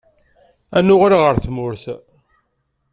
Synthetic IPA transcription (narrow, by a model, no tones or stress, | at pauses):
ænʊʁɾaʁəɾθmʊɾθ